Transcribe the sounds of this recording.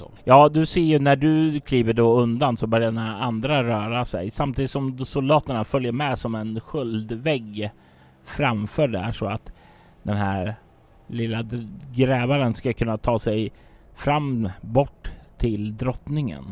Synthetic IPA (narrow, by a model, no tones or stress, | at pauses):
jɑːd̪ɵseːjɵnæɖɵkʰliːvəɖɔɵnd̪ansɔbœɾjad̪ɛnaɾaand̪ɾaɾœːɾasɛ̰jsamt̪ʰiːd̪ɪt̪sɔmsʊld̪ɑːt̪əɳafœljəɾmɛsɔmɛnɧɵld̪vɛɡ | fɾamfœːɖæ̰ʂɔat̪ | d̪ɛnɦæɾ | lɪlːaɡɾɛːvaɾənskakʰɵnːat̪ʰɑːsɛj | fɾamːbɔʈːt̪ʰɪld̪ɾɔt̪nɪŋə̰n